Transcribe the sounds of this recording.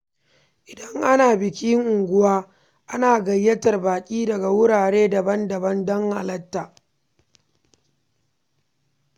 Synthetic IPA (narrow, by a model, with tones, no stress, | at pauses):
ʔɪ˨dɐ˦ŋʔa˦naː˨bɪ˨kʲi˦ŋʔʊ˨ŋɡʷʊ˦waː˦ | ʔa˦naː˨ɡɐ˨jːɐ˦tɐ˨rbaː˨kʲʼiː˦dɐ˨ɡa˨wʊ˦ɽaː˨ɽeː˦dɐ˨bɐ˦ndɐ˨bɐ˦ndɔ˦ŋha̰˨lɐ˦tːaː˨